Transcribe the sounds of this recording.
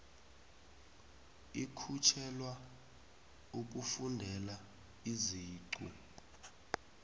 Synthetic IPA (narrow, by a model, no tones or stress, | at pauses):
ikʰut͡ʃʰɛlwa | uk̬ufundʱɛla | iziːǀṵ